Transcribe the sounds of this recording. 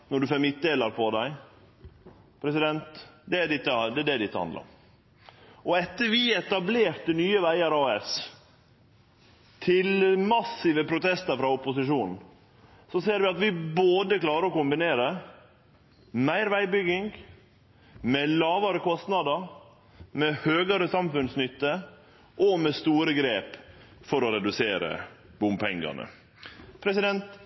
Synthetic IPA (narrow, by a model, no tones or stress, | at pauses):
nɔɖʉfɛmɪt̪̚d̪eːlɑɾpʰɔd̪æɪ | pʰɾɛsɪd̪ɛnt̪d̪ɛɖɪt̪ːəd̪ɛd̪ɛd̪ɪt̪ːəhɑ̰nd̪ɑ̰ | ʔɔɛt̪ːəɾʋɪɛt̪ɑbleːɾt̪ənyːəʋæɪɑɾɑːɛs | t̪ʰɪlmɑsɪʋəpʰɾʊt̪ʰɛst̪əɾfɾɑʊpʊsɪʂuːnn̩ | sɔseːɾʋɪɑt̪ʋɪboːd̪əklɑːɾəɾɔkʊmbɪneːɾə | mæɪɾʋæɪbʏɡɪŋɡ | mɛlɑːʋɑɾəkɔst̪nɑd̪əɾ | mɛhøːɡɑɾəsɑmfʉnsnʏt̪ːə | ʔɔmɛst̪uːɾəɡɾeːpfɔɾɔɾɛd̪ʉseːɾə̰ | b̥ʊmpʰɛŋɡɑ̰nə̰ | pʰɾɛsɪd̪ɛnt̪